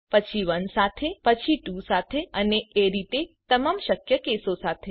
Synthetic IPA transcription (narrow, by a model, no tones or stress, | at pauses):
pət͡ʃʰiʋənsat̪ʰepət͡ʃʰiʈũsat̪ʰeəneeɾit̪et̪əmamʃəkjəkesosat̪ʰe